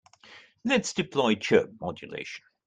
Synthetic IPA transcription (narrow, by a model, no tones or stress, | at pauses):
lɛtsd̥ɪpʰl̥ɔɪt͡ʃʰɜ̰ˑp̚mɒd͡ʒəlḛɪʃə̃n